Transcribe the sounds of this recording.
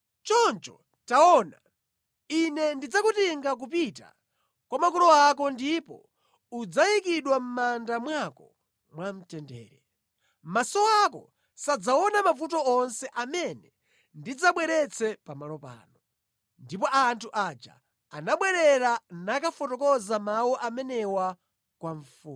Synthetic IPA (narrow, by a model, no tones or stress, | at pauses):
t͡ʃɔnt͡ʃɔ | taɔna | inɛndid͡zakutiŋɡak̬upita̰ | kwamakuɾɔakɔndipɔ | ud͡zajikiɗwam̩mandamwakɔ | mwam̩tɛndɛ̰ːɾɛ | masɔakɔ | sad͡zawɔnamavutɔɔnsɛʔamɛnɛ | ndid͡zaɓwɛɾɛt͡sʰɛpamalɔpa̰ːnɔ | ndipɔʔantʰuʔad͡ʒa̰ː | naɓwɛɾɛɾanakafɔtɔkɔzamawɔʔamɛnɛwa | kwaɱ̩fṵː